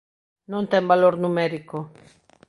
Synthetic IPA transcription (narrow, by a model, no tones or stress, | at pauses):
nõnt̪embaloɾnumeɾiko